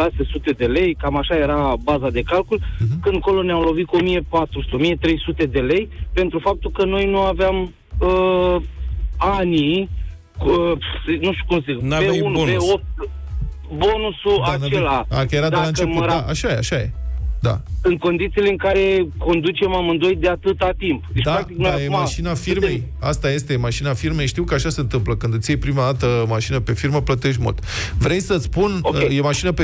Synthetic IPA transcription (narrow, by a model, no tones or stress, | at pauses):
ʃase̞sut̪e̞d̪e̞le̞jkamaʃaje̞ɾabazad̪e̞kalkulkɨnd̪̚ko̞lo̞neamlo̞vit̪̚kuo̞mijepat̪ɾusu̥t̪eo̞mije̞t̪ɾe̞jsut̪e̞d̪e̞le̞jpe̞nt̪ɾufap̚t̪ulkəno̞jnuaveam | ə | ani | əsnuʃt̪ukumsipeunpeop̚t̪ | bo̞nusuaanelaa̰kəjeɾad̪elaɨneput̪d̪aʔaʃajeaʃaje̞̰d̪a̰sɨnt̪̚ko̞nd̪it̪sileɨŋkaɾe̞ko̞nd̪ut͡ʃe̞mamɨnd̪o̞it̪̚d̪eat̪ɨt̪at̪impd̪det͡ʃ̪aɾakt̪ikdnaajeaʃinafirme̞j | a̰st̪aje̞st̪e̞maʃinafirme̞jʃt̪iwkəaʃaseɨnt̪ɨmpləkɨnd̪ɨt̪sjejpɾimad̪at̪əmaʃinəpe̞firməplət̪e̞ʃ̬mṵlt̪vɾejsət̪spuneje̞maʃinəpe